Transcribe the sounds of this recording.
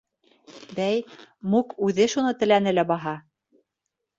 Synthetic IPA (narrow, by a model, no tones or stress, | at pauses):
bæjmukʉðɘʃunɤt̪ɘ̆læn̪ɘ̆læbɑɦɑ